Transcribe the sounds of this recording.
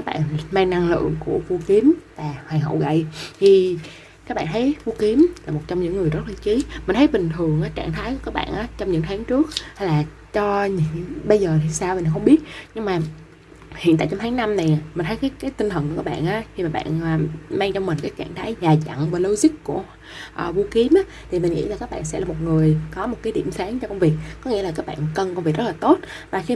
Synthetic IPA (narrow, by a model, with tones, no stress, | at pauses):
kaː˦k̚ɓa̰ː˧˨nmaː˧ŋna˧ŋlɨ̰˧˨əŋku˧˩əvu˧ki˨˦əmvaː˨˩hwaː˨˩ŋɦə̰˧˨wɣə̰˧˨jt̪ʰi˨˩ | kaː˦˥k̚ɓa̰ː˧˨nt̪ʰə˨˦jvu˧ki˨˦mlaː˨˩mo˨˩t̚t͡ɕɔ˧wŋ͡mɲɨ̰˧˥ŋːɨ˨˩əjzə˦˥t̚laː˨˩t͡ɕi˨˦mï˨˩ŋ̟t̪ʰə˨˦jɓï˨˩ŋ̟t̪ʰɨ˨˩əŋʔaː˨˦t͡ɕaː˧˩˨ŋt̪ʰaː˨˦jkaː˦˥k̚ɓa̰ː˧˨nʔaː˨˦t͡ɕɔ˧wŋ͡mɲɨ̰˧˥ŋt̪ʰaː˨˦ŋt͡ɕɨ˦˥ək̚ha˧jlaː˨˩ | t͡ɕɔ˧ɲɨ˧˥ŋɓə˧jzəː˨˩t̪ʰi˨˩saː˧wn˨˩xə˧ŋ͡mɓi˦˥ət̚ɲɨ˧ŋmaː˨˩ | hḭ˧˨nt̪a̰ː˧˨jt͡ɕɔ˧ŋ͡mt̪ʰaː˨˦na˧mna˨˩jmï˨˩ŋ̟t̪ʰjkaː˨˦jkaː˨˦jt̪i˧ŋ̟t̪ʰə˨˩nku˧˥˩kaː˦˥k̚ɓ̰ːnʔaː˨˦xi˧maː˨˩ɓa̰ː˧˨naː˨˩maː˧ŋt͡ɕɔ˧mï˨˩ŋ̟kaː˨˦jkaː˧˩ŋt̪ʰaː˨˦jzaː˨˩za̰˧˨ŋvaː˨˩lo˧wzi˦˥k̚ku˧˩ə | ʔəː˨˩vu˧ki˨˦ənʔaː˨˦t̪ʰi˨˩mï˨˩ŋ̟ʔḭ˧˥laː˨˩kaː˦˥k̚ɓa̰ː˧˨nsɛ̰˧˥laː˨˩mo˨˩t̚ŋɨ˨˩əjkɔ˨˦mo˨˩t̚kaː˨˦jɗḭ˧˨əmsaː˨˦ŋt͡ɕɔ˧kə˧wŋ͡mvi˨˩ək̚kːɔ˨˦ŋḭ˧˥əla˨kaː˦˥k̚ɓa̰ː˧˨nkə˧nkwvi˨˩k̚z̥laː˨˩t̪o˦˥t̚vaː˨˩xi˧